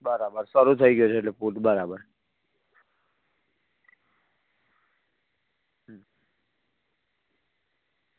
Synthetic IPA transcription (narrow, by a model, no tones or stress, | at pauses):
bʌɾabəɾsʌɾut̪ʰʌiɡjot͡ʃʰeetlepuʈbəɾabəɾ